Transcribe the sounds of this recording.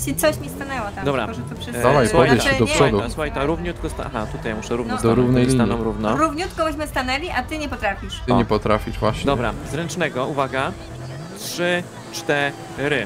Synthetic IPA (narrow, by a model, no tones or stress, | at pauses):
t͡ɕit̪sɔɕmʲist̪anɛwɔt̪ad̪ɔbɾa̰ʐɛt̪ɔpʂɛd̪alajpɔvjɛɛd̪ɔʂɔd̪usuxajt̪aɾuvɲut̪̚kɔst̪aa̰xat̪ut̪ajmuʂɛɾuvnɛd̪ɔɾuvnɛjlʲiɲanɔ̃mɾuvnɔɾuvɲut̪kɔbɛɕmɘst̪anɛlʲiʔat̪ɘɲɛpɔt̪ɾafʲiʂɪɲɛpɔt̪ɾafʲiʐvwaɕɲd̪ɔbɾa̰zɾɛnt͡ʂnɛɡɔuvaɡa | tʂɘ | t͡ʂt̪ɛ | ɾɘ